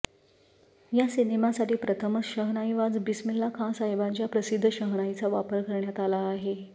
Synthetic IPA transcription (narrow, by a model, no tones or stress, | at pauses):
jasinimasaʈiːpɾət̪ʰəməɕəɦnajʋad͡zbismilːakʰãsaɦjbat͡ɕjapɾəsid̪ʱːəɕəɦnajt͡saʋapəɾkəɾɳjat̪alaːɦe